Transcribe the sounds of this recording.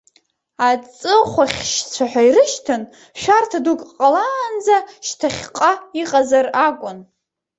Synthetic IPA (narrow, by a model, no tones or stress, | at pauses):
at͡sʼɨχʷaχʲʃt͡sʷʰaħʷᶣairɨʃtʰɨn | ʃᶣartʰadukʼqʼaland͡zaʃtʰaχʲqʼaiqʼazarakʷʼʊn